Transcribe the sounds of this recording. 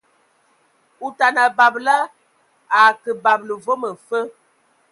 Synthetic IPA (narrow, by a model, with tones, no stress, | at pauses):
u˨ta˨na˨ba˨blə˦ | a˨kə˨ba˨blə˨vo˦mə˨fə˦